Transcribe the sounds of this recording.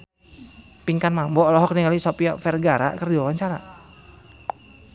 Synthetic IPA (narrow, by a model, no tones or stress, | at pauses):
piŋkanmambɔlɔɦɔk̚niŋalisɔpiɔfɛrɡaɾa̰kərdiwawaɲt͡ʃaɾa